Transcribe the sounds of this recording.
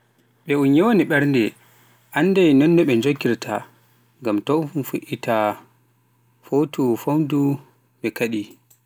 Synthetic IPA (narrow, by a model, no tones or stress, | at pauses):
ɓɛunjɛwoniɓɛɾndɛ | ʔanːdajnɔnːɔɓɛnd͡ʒoɡiɾtʰa̰ | ŋɡamtɔnfuʔitʰa | fotʰufowdu | ɓɛkaɗi